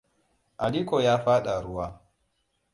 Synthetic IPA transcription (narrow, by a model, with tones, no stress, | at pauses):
ʔa˨liː˦kɔ˨jaː˦ɸaː˦ɗa˨ɾʊ˦waː˦